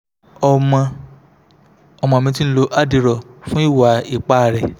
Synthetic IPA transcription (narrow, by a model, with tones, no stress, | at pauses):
ɔ˧mɔ̃˧ | ɔ˧˨mɔ̃˧˨mĩ˧t̬i˦n̩˦lo˧ʔa˦˨di˧ɾɔ˨fũ˦i˦˨wa˨˦i˦˨k͡pa˦˨ɾɛ˨